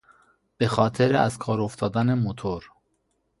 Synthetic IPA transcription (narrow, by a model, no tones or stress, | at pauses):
b̥exɒːt̪ʰeɾeæ̰zkʰɒːɾoft̪ɒːd̪ænemot̪ʰoɾ